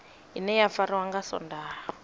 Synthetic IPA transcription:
ɦinɛjafaɾiwaŋɡasɔ̰ndaːɦɔ

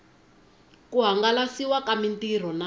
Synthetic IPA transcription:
kuɦaŋɡalasiwakamintir̤ɔna

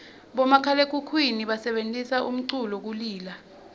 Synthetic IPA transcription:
ɓɔmakʰalek̬ʰʼukʰwiniɓasɛɓentʼisaʔum̩ǀulɔk̬uliːla

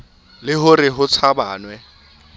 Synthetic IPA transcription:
lɪɦʊrɪɦʊt͡sʰabaːnwɛ

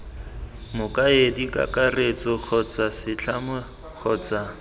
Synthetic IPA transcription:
mʊkʼaedikʼa̰kʼaret͡sʼɔk͡xʰɔt͡sʼasɪt͡ɬʰamʊ | k͡xʰɔːt͡sʼa

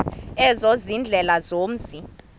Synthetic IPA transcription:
ɛzozind͡ɮʱɛlazoːm̩zi

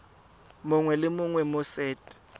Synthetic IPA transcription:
mʊŋwɛlɪmʊŋwɛmʊsɛːtʼɛ̥

